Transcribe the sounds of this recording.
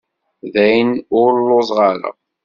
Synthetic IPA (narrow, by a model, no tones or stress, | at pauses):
ðæjnʊɾlːozˤʁɑɾə̰